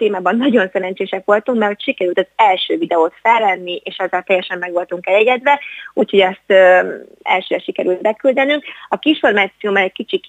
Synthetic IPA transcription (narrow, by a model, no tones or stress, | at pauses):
t̪eːmaːbɒnːɒɟo̞nsɛɾɛnt͡ʃeːʃɛkʋo̞lt̪uŋkmɛrho̞cʃikɛɾylt̪ɒzɛlʃøːvid̪ɛoːt̪fɛlːɛnːiʔeːʃɛzːalt̪ɛjɛʃɛmːɛɡʋo̞lt̪uŋkɛjɛɡɛd̪ʋɛuːcho̞ɟɛst̪ː | ɛ̰lʃøːɾɛʃikɛɾylt̪bɛkyld̪ɛnyŋkɒkiʃfo̞rmaːt̪sijoːmɛlɛckit͡ʃik